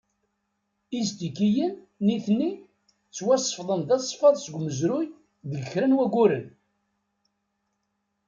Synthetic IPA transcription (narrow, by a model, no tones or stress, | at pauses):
izt̪ikːijənː | iθnːi | t͡sːwæsˤə̥fðˤənðæsˤfɑðˤsəɡʷməzɾʊj | ðələçɾænwæɡʷuɾən